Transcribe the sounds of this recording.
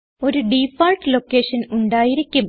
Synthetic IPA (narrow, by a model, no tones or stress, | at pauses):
o̞ɾuɖifaːlʈlokːeːʂɐnuɳɖaːjiɾikʲːum